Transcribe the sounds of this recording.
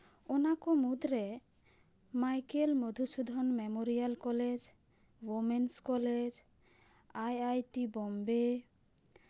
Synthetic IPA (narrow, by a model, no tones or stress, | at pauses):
ɔnakɔmud̪ɾɛ | majkelmod̪ʱusud̪ʱɔnmemoɾialkɔled͡ʒ | womenskɔled͡ʒ | ajajʈibɔmbe